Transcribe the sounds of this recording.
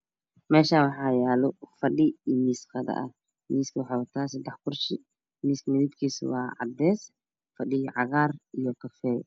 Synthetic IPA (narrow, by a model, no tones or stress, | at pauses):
mɛːʃaːwɑħɑːjaːlɔfɐɗɪimiːsqɐðɐ̰ʔɐ | miːskʰɐwʊħaːwɐt̪ʰaːsɐd̪ɛħkʰʊrʃɪ | miːskmɪðiːbkʰiːswɑ̰ːʕɑ̰d̪ɛːs | fɐɗɪɣʕɑɣaːrijɔkʰɐfɛːj